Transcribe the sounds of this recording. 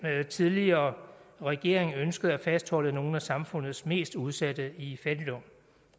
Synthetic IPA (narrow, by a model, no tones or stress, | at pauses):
eðt͡sʰiðˠliɐːʁɛɡ̥e̝̰ɐ̰eŋønsɡ̥əð̞̩ˠæfæsd̥hɒ̽ləno̝ːn̩æsɑ̈mfɔ̽n̰ð̞̩ˠsme̝̰ːsd̥uð̞ˠsæd̥əifæd̥ilɔm